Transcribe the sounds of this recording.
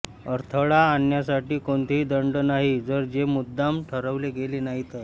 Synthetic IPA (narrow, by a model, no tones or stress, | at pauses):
əɾt̪ʰəɭaːnjasaʈiːkoɳt̪eɦiːd̪əɳɖənaɦid͡zəɾd͡ʑemud̪ːamʈʰəɾəʋleɡeleːnaɦit̪ə